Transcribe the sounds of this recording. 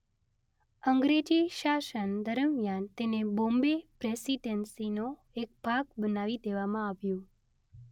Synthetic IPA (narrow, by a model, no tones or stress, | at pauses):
əŋɡɾed͡ʒiʃaʃənd̪əɾəmjant̪enebõmbepɾesiɖənsino | ek̚bʱaɡbənaʋid̪eʋamãaʋjõ